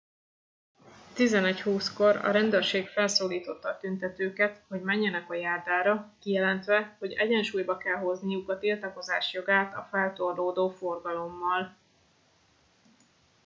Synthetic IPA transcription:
t̪izɛnɛchuːsko̞ɾɒ̰ɾɛnd̪øːrʃeːkfɛlsoːliːt̪o̞t̪ːɒːt̪ynt̪ɛt̪øːkɛt̪ho̞ɟmɛɲːɛnɛkɒjaːrd̪aːɾɒkijɛlɛnt̪ʋɛho̞ɟɛɟɛnʃuːjbɒkɛlɦo̞znijukɒt̪ilt̪ɒko̞zaːʃjo̞ɡaːt̪ɒfɛlt̪o̞rd̪oːd̪oːfo̞rɡɒlo̞mːɒl

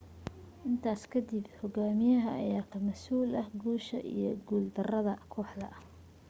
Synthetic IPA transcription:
ʔɪnt̪ʰaːskʰɐd̪ɪbhɔɡaːmɪjɐɦɐʔɐ̰jaːkʰɐmɐsuːlɐhɡuːʃɐ̰ʔḭjɞɡuːld̪ɐrɐðɐkʰɔːħd̪ɐ

